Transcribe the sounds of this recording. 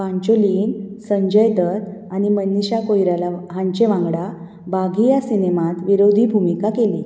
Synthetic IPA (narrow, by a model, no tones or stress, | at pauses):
pãɲt͡ɕoliːnsəɲd͡ʑəjd̪ət̪animənːiɕakojɾalaɦãɲt͡ɕeʋãŋɡɽa | baɡʱijasinemat̪ʋiɾod̪ʱibʱumikakelḭ